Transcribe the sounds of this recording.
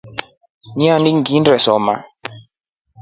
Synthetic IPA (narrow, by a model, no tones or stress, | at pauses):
ɲianiŋɡindɾɛsɔma̰